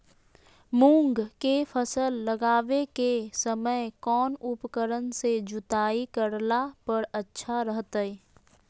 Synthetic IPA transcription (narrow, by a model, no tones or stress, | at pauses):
mũːŋɡkepʰəsəlːəɡaːʋekesəməjkɔːnʊpkəɾənsed͡ʒʊt̪aːikəɾlapəɾətːʃʰaɾəɦt̪əi